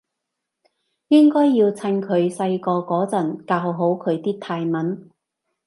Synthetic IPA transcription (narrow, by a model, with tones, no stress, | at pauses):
jɪ˥ŋkɔː˥jːiː˧wt͡sʰɐ˧nkʰɵ˨˧ɥsɐ˧jkɔː˧kɔː˨˥t͡sɐ˨˩nkaː˧wɦo˨˥wkʰɵ˨˧ɥt̪iː˥k̚t̪ʰaː˧jmɐ˨˥n